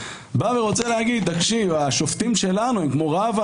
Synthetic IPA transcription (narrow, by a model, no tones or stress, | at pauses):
baveʁo̞t͡selehaɡid̪̚d̪akʃivaʃo̞ft̪imʃe̞lanuemkmo̞ʁav